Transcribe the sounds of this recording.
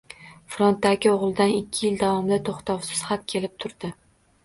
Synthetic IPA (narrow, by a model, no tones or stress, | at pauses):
fɾont̪ːaɡʲɪoʁlˠd̪anɪkʲʰːɪjɪld̪avɒmɪd̪at̪ʰoχt̪ʰɒwsɪz̥hat̪̚kʲʰe̞lɪp̚t̪ʰʊɾd̪ɪ